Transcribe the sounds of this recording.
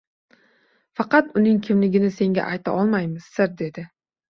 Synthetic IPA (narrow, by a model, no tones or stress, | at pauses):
fɑqɑt̪ʊnɪŋkʲʰɪmlɪɡʲɪnɪse̞ŋɡʲa̰ʔajt̪ʰa̰ʔɒlˠmajmɪzsɪɾd̪e̞d̪ɪ